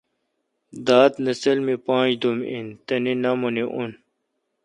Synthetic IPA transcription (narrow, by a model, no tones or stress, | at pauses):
d̪aːt̪nɐsɐlmipãːd͡ʑd̪umḭnt̪ɐninɐmuniʔun